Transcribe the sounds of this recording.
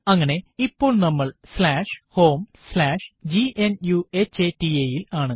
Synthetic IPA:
ɐŋːɐne̞ipːo̞ːɭnɐmːɐɭslaːʂho̞ːmslaːʂd͡ʑiʔenjuet͡ɕːeːtieːjilaːɳɨ

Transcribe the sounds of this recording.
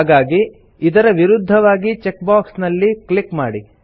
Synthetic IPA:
ɡaːɡi | id̪ɐɾɐʋiɾud̪ʱːɐʋaːɡit͡ʃekbaːksnɐlːiklikma̰ːɽi

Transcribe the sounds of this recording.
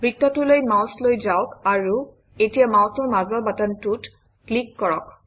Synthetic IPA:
bʱɹitːɔtulojmawslojzaʊkaɹu | etijamawsɔɹmazɔbatantut | klikːɔɹɔk

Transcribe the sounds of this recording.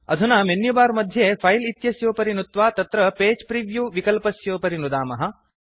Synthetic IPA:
ɐ̰d̪ʱunɐmenjubaːɾmɐd̪ʱjepʰɐjlit̪jɐsjoːpɐɾinut̪ʋaːt̪ɐt̪ɾɐpeːd͡ʒpɾiʋjuʋikɐlpɐsjoːpɐɾinud̪aːmɐɦɐ̆

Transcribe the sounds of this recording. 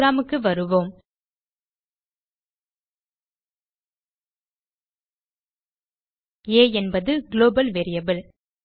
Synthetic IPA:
ɾaːmɯkːɯʋɐɾɯʋoːm | eːɛnbɐðɯɡɪloːbɐlʋeːɾɪjɐbɪl

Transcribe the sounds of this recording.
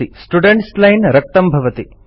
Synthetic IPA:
isʈuɖeɳʈslɐjnɾɐk̚t̪ɐmbʱɐʋɐt̪i

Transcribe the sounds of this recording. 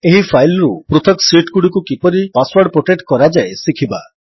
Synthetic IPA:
eɦipʰajlɔɾupɾut̪ʰɔksiʈkuɽikukipɔɾipaswaɾɖpoʈeʈkɔɾad͡ʒaesikʰiba̰

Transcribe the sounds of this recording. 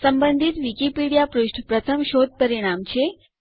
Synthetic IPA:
səmbənd̪ʱit̪ʋikipiɽijapɾuʃʈʰpɾət̪ʰəmʃod̪̚pəɾiɽ̃amt͡ɕʰe

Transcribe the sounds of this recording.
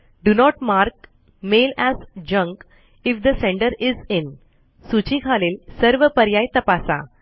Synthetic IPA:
ɖunɔʈmaɾk | melæzd͡ʒə̃ŋk | ifd̪əsẽɳɖəɾizɪn | sut͡ɕikʰalelsəɾʋəpəɾjajt̪əpasa̰

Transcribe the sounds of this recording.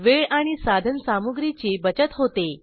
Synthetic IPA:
ʋeɭaɽ̃isad̪ʱənsamuɡɾit͡ɕebət͡ɕət̪ɦot̪e

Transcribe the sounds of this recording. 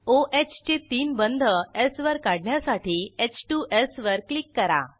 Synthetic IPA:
oʔet͡ɕt͡ɕet̪iːnbənd̪ʱəesʋəɾkaɽɳjasaʈʰiːet͡ɕʈuʔesʋəɾklikːəɾa̰

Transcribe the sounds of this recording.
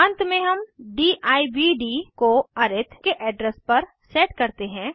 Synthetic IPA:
ɐ̃nt̪mẽɦɐmɖiːʔaːibiɖiːkoɐɾɪt̪ʰkeʔɛːɖɾəspɐɾ | seːʈkɐɾt̪eɦɛ̃ː

